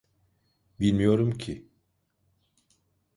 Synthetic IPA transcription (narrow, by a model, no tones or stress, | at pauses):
bilʲmijo̞ɾumcʰi